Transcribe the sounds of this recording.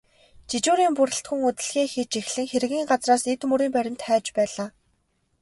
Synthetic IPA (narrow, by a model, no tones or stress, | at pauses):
t͡ɕit͡ɕuːɾiːmpuɾɘ̆ɬt̪xɵ̆ŋɵt̪ɘ̆ɮxeːxit͡ɕexɮɘ̆ŋxeɾɘ̆ɣʲiːŋɢat͡sraːset̪mɵɾiːmpæɾʲɪ̆nt̪χæːt͡ɕpæːɮaː